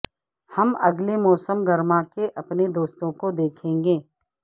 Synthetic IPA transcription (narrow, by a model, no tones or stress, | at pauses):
hɐmɐɡlemɔːsəmɡɐɾmãkeʔɐpned̪oːst̪õkod̪eːkʰẽːŋɡeː